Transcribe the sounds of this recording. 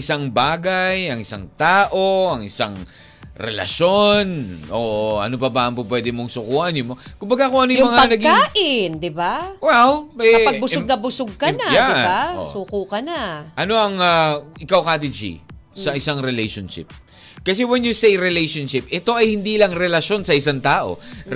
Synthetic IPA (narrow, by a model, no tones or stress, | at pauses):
ɪsaŋbaːɡɐjɐŋɪsa̰ŋt̪aːʔo̞ɐŋɪsa̰ŋ | ɾɛ̰lɐ̰ʃo̞nʔoːʔɐ̰nobɐbɐɐmpʊp̬wɛd̪ɪmoŋsʊkuːʔɐnjʊmokʊmbɐɡakʊŋʔɐnojmɐŋapɐnɐɡiaːʔɪnd̪ɪbawɛwɛɐpɐbʊsʊɡ̚nɐbʊsʊɡ̚kɐnajaɪba̰suːkukɐnaʔɐno̞ʔɐŋaʔɪkawkat̪id͡ʒḭsɐʔɪsaŋɾɛlɛjʃonʃɪ̰p̚ | kɐsɛwɛnjʊsejɾɛlejʃonʃɪp̚ɛt̪o̞ʔɐjhɪnd̪iːlɐŋɾɛlɐʃo̞nsɐʔɪsaŋt̪aːʔo̞̰